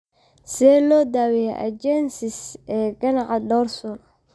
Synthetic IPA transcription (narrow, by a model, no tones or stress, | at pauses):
sɛlɔːd̪aːwɛjɛ̰ʔɐ̰d͡ʒɛnsɪsɛːɡɐnɑʕɑdɔːrsɔl